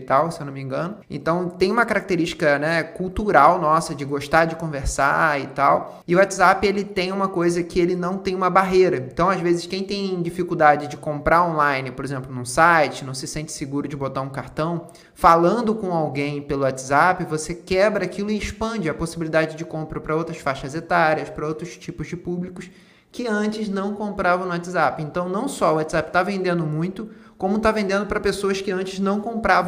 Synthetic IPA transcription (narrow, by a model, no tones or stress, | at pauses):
t̪awsewnʊmĩŋɡɐ̃nʊḛ̃t̪ɐ̃w̃t̪ẽj̃ũmɐkaɾak̚t̪eɾiʃt͡ʃɪ̥kɐnɛkuwt̪uɾawnɔsɐd͡ʒɪɡoʃt̪ad͡ʒɪkõveɾsa̰ɪt̪aw | ɪʊat͡ʃzapɪelɪt̪ẽj̃ũmɐkojzɐkɪelɪnɐ̃w̃t̪ẽj̃ũmɐbaɦejɾɐẽt̪ɐ̃w̃azvezɪʃkẽj̃t̪ẽj̃d͡ʒifikuwd̪ad͡ʒɪd͡ʒɪkõmpɾaõlajnɪpoɾezẽmplʊnũsajt͡ʃɪnɐ̃w̃sɪsẽnt͡ʃɪ̥sɪɡuɾʊd͡ʒɪbot̪aɾũkaɾt̪ɐ̃w̃ | falɐ̃nd̪ʊkõw̃awɡẽj̃pelʊat͡ʃɪzapɪvosekɛbɾɐakilʊɪɪʃpɐ̃d͡ʒɪɐposibilid̪ad͡ʒɪd͡ʒɪkõmpɾɐpɾɐowt̪ɾɐsfaʃɐzet̪aɾiɐspɾɐowt̪ɾʊst͡ʃipʊzd͡ʒɪpublikʊs | kɪɐ̃nt͡ʃɪznɐ̃w̃kõmpɾavɐ̃nʊwat͡ʃ̪ɪzapɪẽnt̪ɐ̃w̃nɐ̃w̃sɔʊat͡ʃ̪ɪzapɪ̥t̪avẽnd̪ẽnd̪ʊmũj̃t̪ʊkõmʊt̪avẽnd̪ẽnd̪ʊpɾɐpesoɐskɪɐ̃nt͡ʃɪznɐ̃w̃kõmpɾaṽ